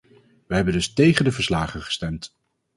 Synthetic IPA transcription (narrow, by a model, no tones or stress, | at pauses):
ʋəɦɛbəndɵstejχəndəvəɹslaːχənχə̥stɛmt